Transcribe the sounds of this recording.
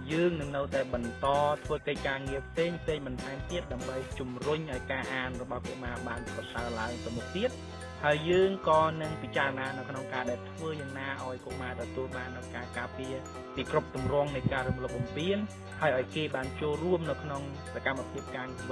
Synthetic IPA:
jəːŋnɨŋnɨwt̪aɛɓɑnt̪ɑːt̪ʰʋəːkəc̚kaːŋiəpʰseːŋpʰseːŋɓɑnt̪ʰaɛmt̪iət̪̚ɗaəmɓəjt͡ɕumrʊɲʔaɔjkaːʔaːnrɔɓɑhko̰maːɓaːnprɑsaəlaəŋt̪ɨ̆wmuk̚t̪iət̪̚ | haəjːəːŋkɑːnɨŋpit͡ɕaːrɔnaːnɨwkʰnoŋkaːɗaɛlt̪ʰʋəːjaːŋnaːʔaɔjkomaːt̪ɔt̪uəlɓaːnʔajkaːkaːpiə | piːkrup̚t̪umrŏəŋnɨjkaːɾuəmlop̚ɓɑmpiən | haəjʔaɔjkeːɓaːnt͡ɕoːlruəmnɨwkʰnoŋ | sakamːapʰiəp̚kaːŋiəʋɨ

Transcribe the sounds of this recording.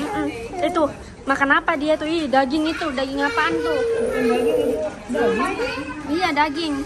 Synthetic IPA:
ʔm̩it̪u | makanapadiat̪uihdaɡɪŋit̪udaɡɪŋapant̪u | ijadaɡɪŋ

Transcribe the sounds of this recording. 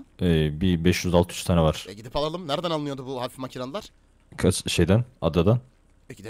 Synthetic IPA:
ɛːbibɛʃjyzalˠt̪ʰɯyt͡ʃst̪ʰanɛvaɾ̥ɛɟid̪ipʰalˠalˠɯmnɛɾd̪analˠnjo̞d̪ubuɦafimacʰiɾanɯlˠaɾ̥ | kʰat͡ʃʃejd̪æna̰d̪ːad̪an | ecʰid̪

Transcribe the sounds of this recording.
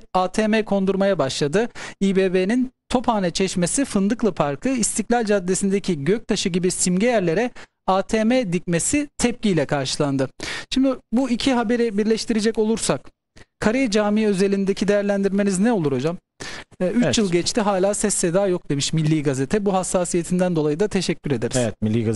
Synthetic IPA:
aːt̪ʰeːmekʰo̞nd̪uɾmajabaʃlˠad̪ɯiːbeːbenint̪ʰo̞pʰhaːnɛt͡ʃʰɛʃme̞sifɯnd̪ɯklˠɯpʰaɾkʰɯist̪ʰiclʲalʲd͡ʒad̪ːesind̪ecʰiɟøc̚t̪ʰaʃɯɟibisimɟejæɾlʲe̞ɾɛ | aːt̪ʰeːmed̪ic̚me̞sit̪ʰɛp̚cijlʲɛkʰaɾʃɯlˠand̪ɯʃimd̪ibuicʰiɦabe̞ɾibiɾlʲɛʃt̪ʰiɾed͡ʒɛco̞lˠuɾsak | kʰaɾejɛd͡ʒaːmiø̞ze̞lʲind̪ecʰid̪ejæɾlʲænd̪iɾme̞niznɛolˠuɾo̞d͡ʒamː | yt͡ʃjɯlˠɟɛt͡ʃt̪ʰiɦaːlʲaːsɛsːed̪aːjo̞k̚d̪e̞miʃmilʲːiːɡaze̞t̪ʰɛbuɦasːaːsije̞t̪ʰind̪ænd̪o̞lˠajɯd̪at̪ʰe̞ʃɛcʰːyɾe̞d̪eɾiezɛt̪miːiɡ

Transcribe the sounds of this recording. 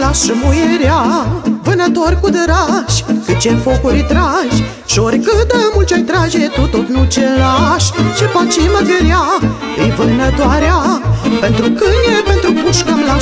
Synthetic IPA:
laʃəmujeɾavɨnət̪o̞rʲkud̪əɾaʃʲkɨt̪̚t͡ʃefokuɾʲit̪ɾaʒʲ | ʃioɾʲkɨd̪əmult͡ʃojt̪ɾaʒet̪ut̪ot̪nut͡ʃelaʃt͡ʃepat͡ʃiməɡeɾja | ɨjvɨnət̪oaɾeapent̪ɾukɨnjepent̪ɾupuʃkəmla

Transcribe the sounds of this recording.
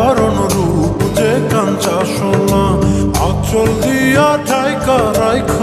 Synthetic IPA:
aɾonoɾupud͡ʒekant͡ɕaʃolaak̚t͡ɕold̪ijaʈʰajkaɾajkʰ

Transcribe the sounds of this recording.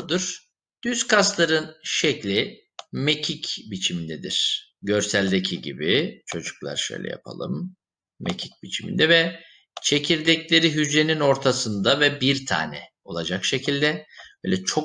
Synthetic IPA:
d̪ɯɾ̥ | d̪̥yskʰast̪lˠaɾɯnʃɛclʲi | mecʰicbit͡ʃʰimind̪ɛd̪iɾ̥ɟø̞ɾsælʲd̪ecʰiɟḭbit͡ʃʰo̞d͡ʒuklˠa̰ɾʃø̰jlʲɛ̰ja̰pʰa̰lˠɯ̰mː | ḛcʰi̥c̚bit͡ʃʰimḭnd̪ɛvɛ | t͡ʃʰe̞cʰiɾd̪ɛclʲe̞ɾiɦyd͡ʒe̞nino̞ɾt̪ʰasɯnd̪avɛbiɾt̪ʰa̰ːnɛ̰ | o̞lˠad͡ʒakʃe̞cʰilʲd̪ɛbøːjlʲɛt͡ʃʰok

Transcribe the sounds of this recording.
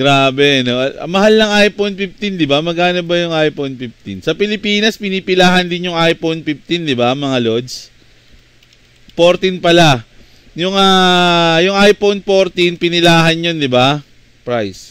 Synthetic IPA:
ɡ̥ɾaːbɛʔɐno̞ʔɐɐ̰mɐhalnɐŋʔajponpift̪ind̪ɪbamɐɡʔaːnɐbɐjʊŋʔajponpɪf̚t̪insɐpɪlɪpiːnɐspɪniːpɪlaːɦɐnd̪ɪnjʊŋʔajponpif̚t̪ind̪ɪbamɐŋalo̞d̪s | poɾt̪inpɐla | jʊŋaːjʊŋʔajponpoɾt̪inpɪnɪlaːɦɐnjo̞nd̪ɪba | pɾajs

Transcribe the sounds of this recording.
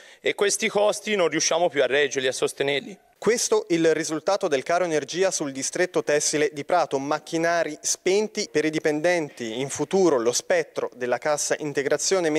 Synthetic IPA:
ekːwest̪ikɔst̪inonrːiuʃːaːmopjuarːɛd͡ʒeɾliasːost̪enerli | kwest̪oʔilrizult̪aːt̪od̪elkaːɾoenerd͡ʒiːasuld̪ist̪ɾet̪ːot̪ɛsːiled̪ipɾaːt̪omak̟ːinaːɾispent̪ipeɾid̪ipend̪ɛnt̪iːɱfut̪uːɾolospɛt̪ːɾod̪elːakasːaʔint̪eɡɾat̪sːjoːnem

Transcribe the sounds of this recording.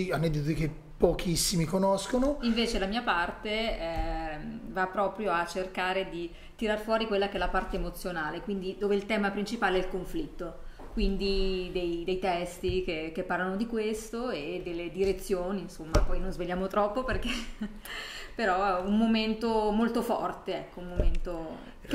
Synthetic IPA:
ianːɛd̪it̪ot̪ike | pːokʰisːimikonoskonoiɱveːt͡ʃelamiːapart̪eɛ | vapːɾɔːpɾjoat͡ʃːerkaːɾed̪i | t̪iɾarfwɔːɾikwelːakeɛlːapart̪eːmot̪sːjonaːlekwind̪id̪oːveilt̪ɛːmapɾint͡ʃipaːleɛilkoɱflit̪ːo | kwind̪id̪ejd̪ejt̪ɛst̪ik̟ek̟epːarlanod̪ikwest̪oed̪elːed̪iɾet̪sːjoːniːnsomːapɔjnonzveʎːaːmot̪ɾɔpːoperke | peɾɔummoment̪omolt̪ofɔ̰rt̪eɛkːoummoment̪o

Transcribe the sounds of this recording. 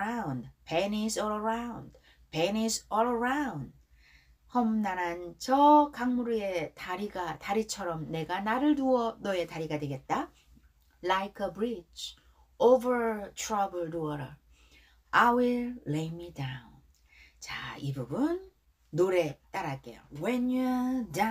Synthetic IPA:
andpenisɔɭʌɾawʊnd | penisɔɭʌɾaʊ̃nd̚ | hʌmnaɾant͡ɕʌkaŋmuɾue̞taɾiɡataɾit͡ɕʰʌɾʌmne̞ɡanaɾɯɭduʌnoe̞taɾiɡadwe̞ɡe̞t̚t͈a | lajkʰʌbɾit͡ɕʰ | ovə˞tʰɹʌbɯɭduʌɾʌ | awilːejmidaʊn | t͡ɕa̰ibubunː | oɾe̞t͈aɾak͈e̞̰jo̰wenjuda

